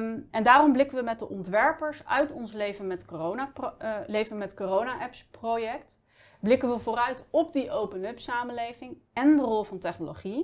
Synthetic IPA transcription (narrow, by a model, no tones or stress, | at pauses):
ɛndaːrɔmblɪkənʋəmɛt̚dəʔɔntʋɛɹpəɹsœ̰ɥtɔnslejvənmɛtkoonalejvəmɛtkorownaʔɛpsprojɛkt | blɪkənʋəvʊːrœɥtɔb̚diʔowpənɵpsaːməlejvɪŋ | ɛndərɔlˠvɑntɛχnoloχi